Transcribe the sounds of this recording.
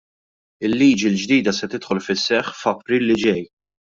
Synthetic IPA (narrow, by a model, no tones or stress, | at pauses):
ɪlːiːd͡ʒild͡ʒd̪iːd̪ɐsɛt̪ɪt̪ħɔlfɪsːɛħfɐpɾiːlːɪd͡ʒɛj